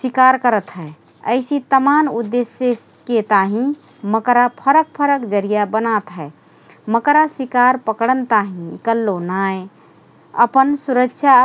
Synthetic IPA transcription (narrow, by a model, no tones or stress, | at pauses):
sikaɾkəɾət̪ɦɛ | ə̰ɪsit̪əmanud̪ːesjə | ket̪aɦĩ | məkɾapʰəɾək̚pʰəɾəkd͡ʒəɾijabənat̪ɦɛe | məkɾasikaɾpəkɽənt̪aɦĩkəlːonaj | əpənsuɾəkːʃʰa